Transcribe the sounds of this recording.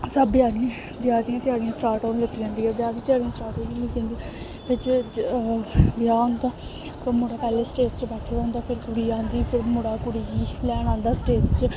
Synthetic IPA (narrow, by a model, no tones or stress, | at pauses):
sabɪjaːnĩ | bjaːd̪iãːt̪eaːɡiãːsʈaːɾʈaːnləkʰːd͡ʒãːnd̪iːɛːbjaːd̪iːt̪ɪaːɡiãːsʈaːʈoːninĩːkẽːnd̪iː | pʰɪɾd͡ʒ | bɪjaːʊnd̪aː | mʊɽaːpɛːleːsʈeːʈt͡ʃəbɛːʈʰeːãːnd̪aːpʰɪɾkʊɽiːãːnd̪iːpʰɪɾmʊɽaːkʊɽiːiːlɛːñãːnd̪aːsʈeːʈt͡ʃ